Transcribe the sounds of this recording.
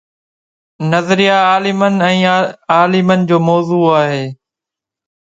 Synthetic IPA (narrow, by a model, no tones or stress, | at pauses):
nəzəɾɪjaaːlɪmənɛ̃ːaːlɪmənɪ̆d͡ʑoːmɔːzuːaːɦeː